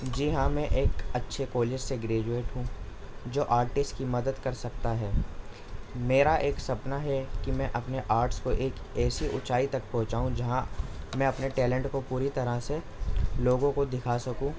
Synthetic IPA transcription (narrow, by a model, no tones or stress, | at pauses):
d͡ʒiɦãmɛ̃ʔeːkɐtːʃʰekoːlɪd͡ʒseɡɾeːd͡ʒueːʈɦũd͡ʒoːʔaːɾʈɪsʈkimɐd̪əd̪kɐɾsɐk̚t̪aɦɛː | meːɾaʔeːksɐpnaɦɛkimɛ̃ʔɐpneʔaːɾʈskoʔeːk | ɛːsiʔʊ̰t͡ʃaːit̪ɐk̚pɐ̃ɦt͡ʃaːɦũd͡ʒɐɦãmɛ̃ɐpneʈɛːlɛ̃ɳʈkopuːɾit̪ɐɾəse | loːɡõkod̪ɪkʰasɐkũː